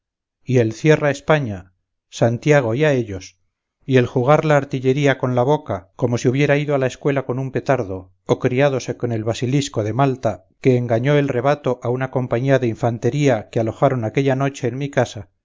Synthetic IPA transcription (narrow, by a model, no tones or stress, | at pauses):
ie̞lθje̞rae̞spaɲa | sant̪jaɣ̞o̞iae̞ʎo̞s | ie̞lxuɣ̞aɾlaːɾt̪iʎe̞ɾiako̞nlaβo̞kako̞mo̞siuβ̞je̞ɾaiðoalae̞skwe̞lako̞numpe̞t̪aɾðo̞ | okɾiaðo̞se̞ko̞ne̞lβasilisko̞ðe̞malt̪a | ke̞ːŋɡaɲo̞e̞lre̞β̞at̪o̞ʔaunako̞mpaɲiaðeiɱfant̪e̞ɾiakealo̞xaɾo̞nake̞ʎano̞t͡ʃe̞ːnmikasa